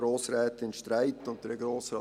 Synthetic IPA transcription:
ɾoːssɾɛːt̪ɪnʃtɾaɪt̪ːʊnt̪əɾəɡɾoːsɾɑ̰

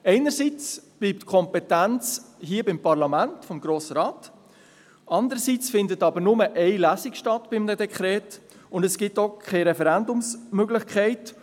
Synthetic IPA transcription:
ɛɪnəɾsiːt͡sb̥liːp̚tkʰɔmpɛtænt͡shiːəbɪmpɑɾlɑmæntfɔmɡ̥ɾoːsəɾɑːt | ʔɑnd̪əɾəsiːt͡sfɪndətɑbəɾnʊməʔɛɪlæsikʃtɑtb̥ɪmdəd̪ɛkχɾɛːtʊndɛsɡ̥ɪtokʰχɛɪɾɛfɛɾændʊmsmøɡlɪχkʰɛɪt

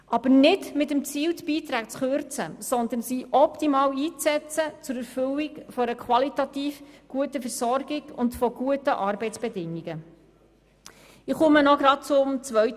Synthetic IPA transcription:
ʔɑb̥əɾnɪdmɪtəmt͡siːltb̥iːt̪ɾæːk̚t͡sχøɾt͡sə̰sɔnd̪ənsiːʔɔpt̪imɑːwiːt͡sɛt͡sət͡sʊɾɛɾfʏliɡfɔɾəkʰwɑlitɑtiːfɡ̥uətəfɛɾsɔɾɡɪɡʊndfɔɡ̥uətəʔɑːɾbɛɪt͡sb̥ɛdɪŋiɡə | ɪχʊmənɔɡɾɑt̚t͡sʊmt͡sʋœɥt

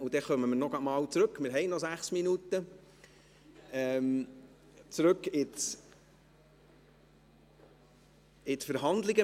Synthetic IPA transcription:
ud̥̪ɛχœməmɪɾnɔɡ̥ɑmɑːwt͡sɾɵkmɪɾɦɛɪnɔzæχsminut̪ə | ɛm | t͡sɾɵkɪt͡s | ɪtfəɾɦɑnd̪lɪɡə

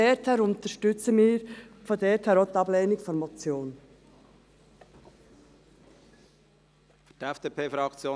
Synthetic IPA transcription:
ɛːtʰɛːɾʊnt̪əʃtʏt͡səmiːɾfɔdɛːthɛːɾot̪ɑbleːnɪkfɔnmɔt͡sjoːn | fy̥d̥ɛfd̥eːpʰeːfɾɑkt͡sjoː

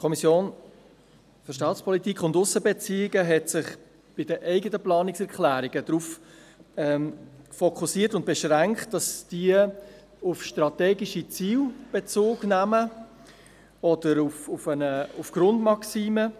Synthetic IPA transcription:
kʰɔmisjoːn | fʏɾʃtɑːtspʰɔlitikʰʊndʊsːəbet͡siːɪɡəɦɛtsɪχ | b̥ɪdəʔɛɪɡətəplɑːnɪksɛɾkχlæːɾiɡ̥əd̥ɾuːf | ɛmfɔkʰusiːətʊnt̚b̥eʃʁæŋkχt̚d̥ɑsd̥iə | ʊfʃtɾɑtɛːɡiʃit͡siːlb̥et͡soːɡ̥næmə | ɔd̥əɾufufənəufɡ̥ɾʊndmɑksiːmə

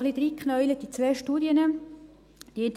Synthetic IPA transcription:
χlid̪ɾikχnœʏlət̚d̥it͡svɛːʃtuːdjənə | d̥iɪnt̪

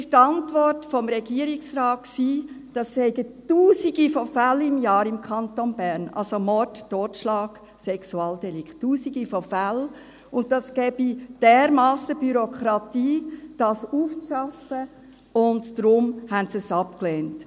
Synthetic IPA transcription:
ɪʃtɑntʋɔrtfɔmɾɛɡiəɾɪksrɑːt̚ksiː | d̥ɑshɛɪɡətuːsiɡifɔfælɪmjɑːɾɪmkʰɑnt̪onbæɾnɑ̰lsomɔttoːtʃlɑːɡ̥ | sɛksuɑːldɛlɪktːuːsiɡifɔfæl | ʊnttɑsɡ̥ɛːb̥id̥ɛːɾmɑːsəb̥yɾɔkʰɾɑtiːd̥ɑːsuːft͡sʃɑfə | ʊndd̥ɾʊmhæntsəsɑpklɛːnt

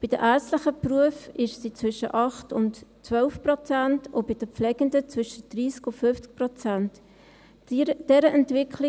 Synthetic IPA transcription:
b̥id̥əʔæsləχəpruəfɪʃsit͡sʋʏʃəʔɑχtʊntt͡sʋœlfprɔt͡sæntʰobid̥əpflɛɡ̥əndət͡svʏʃət̚d̥riːskʊfʏft͡sk̚prɔt͡sænt | d̥ɛɾəʔɛntvɪkʰli

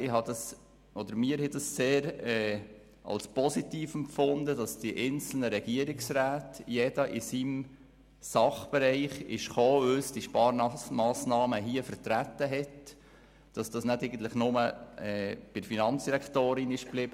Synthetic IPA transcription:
ɪhɑd̥ɑs | ʔɔdəɾmiːəɾhɛdɑsːeːɾɛː | ʔɑ̰lspɔsit̪iːfɛmfʊnd̪ədɑsd̥iʔɛnt͡sl̩nəɾɛɡ̥iəɾɪksɾæːtjɛd̥ɑʔɪsim | sɑχb̥ɛɾɛɪχɪʃχoːʏsd̥iʃpɑːɾmɑːsnɑːməɦiəfəɾtɾæt̪ːəɦɛt | d̥ɑsd̥ɑsnædɛɪɡən̩t̪ləχnʊməɛːb̥ɪfinɑnt͡ssd̥iɾæktoːɾɪnɪʃb̥lɪb̥ə

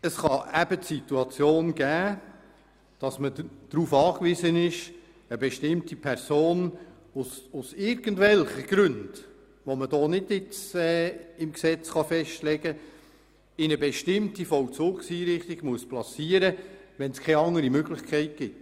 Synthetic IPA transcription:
əsχɑæb̥ətsituɑt͡sjoːnɡ̥æː | d̥ɑsməd̥ɾuːfɑːkʋɪzənɪʃ | əbɛʃtɪmtipʰɛɾsoːn | ʊsʊsɪɾɡən̩dvɛlχəɡ̥ɾʉnd̥ | ʋoməd̥oːnɪdjɪt͡sɛːɪmksɛt͡sχɑfɛʃtlɛɡə | ɪnəbɛʃtɪmtifɔwt͡sʊːksiːɾɪχtɪɡ̥muəsplɑsiːəɾəʋɛnskʰɛɪɑŋəɾimøɡlɪχkʰɛɪt̚ɡ̥ɪt

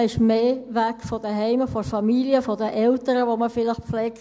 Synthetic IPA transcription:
ɪʃmeːʋɛkfɔd̥əɦɛɪməfɔfɑmiliəfɔdəʔɛltəɾəʋoməfɪləχpflɛːk

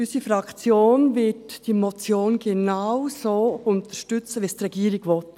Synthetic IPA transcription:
ysifɾɑkt͡sjoːnvɪtd̥iːmot͡sjoːnɡenawsoːʊnt̪əʃtʏt͡səʋistrɛɡ̥iːɾɪɡʋɔt

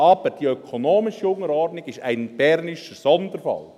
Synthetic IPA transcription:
ɑb̥əɾd̥iœkʰonoːmɪʃiʊŋəɾɔɾtnɪɡɪʃæɪnb̥ɛrnɪʃəsɔnd̪əɾfɑ̰l

